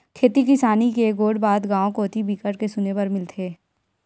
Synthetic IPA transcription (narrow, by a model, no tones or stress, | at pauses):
kʰeːt̪ikɪsaːnikeɡoːɽbaːd̪ɡãːõkoːt̪ibʱiːkəɽkesʊnepɐɾmɪlt̪ʰeː